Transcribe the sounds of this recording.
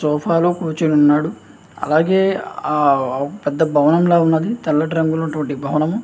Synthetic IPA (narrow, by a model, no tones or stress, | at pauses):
sɔːpʰaːloːkuːɾt͡ʃinunːaːɽu | ɐ̰laːɡe̞ːaːɔkɐpɛd̪ːɐbʱɐʋɐnɐmloːunːɐd̪it̪ɐlːɐʈɾɐŋɡulɐnːɐʈuʋɐɳʈibʱɐʋɐnɐm